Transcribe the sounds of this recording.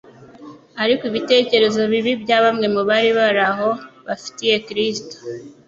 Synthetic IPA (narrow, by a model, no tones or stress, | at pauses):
aɾikiβite̞ːce̞ɾe̞zo̞βiβibɟaːβamŋe̞muβaːɾiβaɾaɦo̞βafi̥tije̞kɾisto̥